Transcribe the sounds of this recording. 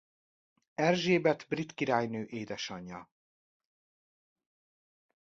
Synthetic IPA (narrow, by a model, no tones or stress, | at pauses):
ɛrʒeːbɛt̪brit̪kiɾaːjnøːʔeːd̪ɛʃɒɲːɒ